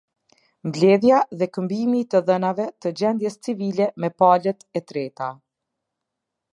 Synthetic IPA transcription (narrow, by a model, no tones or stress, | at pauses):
mblɛðjaðɛkəmbimit̪əðənavɛt̪əd͡ʑɛnd̪jɛst͡sivilɛmɛpalɛt̪ɛt̪ɾɛt̪a